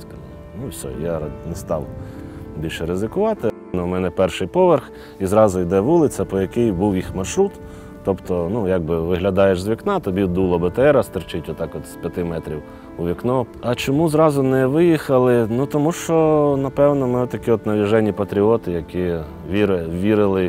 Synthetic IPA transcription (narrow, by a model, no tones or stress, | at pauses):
sɐ | nusʲɔ̰janɛst̪ɑw | bʲilʲʃɛɾɪzɪkʊʋɑt̪ɪ | nɔmɛnɛpɛrʃɪjpɔʋerx | izɾɑzʊjd̪ɛʋulˠɪt͡sʲɐpɔjɐkɪjbuwjixmɐʃɾut̪ː | ɔpt̪ɔnujaɡ̚bɪʋɪɦlʲɐd̪ɑjeʃzʋʲiknɑt̪ɔbʲid̪ulˠɔbɐt̪eɛɾɐst̪ɪrt͡ʃɪtʲʋɔt̪ɑkɔt̪spʲjɐt̪ɪmɛt̪ɾʲiw | ʊʋʲiknɔ | ɐt͡ʃɔmuzɾɑzʊnɛʋɪjixɐlˠɪnut̪ɔmuʃt͡ʃɔnɐpɛwnɔmɪt̪ɐkʲiɔt̪nɐʋʲiʒɛnʲːipɐt̪ɾʲiɔt̪ɪjɐkʲi | ʋʲiɾʋʲiɾɪlˠɪ